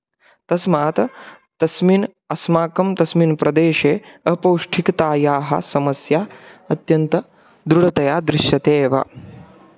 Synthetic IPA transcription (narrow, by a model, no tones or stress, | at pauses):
t̪ɐsmaːt̪ɐ | t̪ɐsmin | ɐsmaːkɐmt̪ɐsminpɾɐd̪eːʃeːɐpɐwʂʈʰikt̪aːjaːɦɐ̰sɐmɐsjaːɐt̪jɐnt̪ɐ | d̪ɾuɽɐt̪ɐjaːd̪ɾɪʃjɐt̪eːʋɐ̰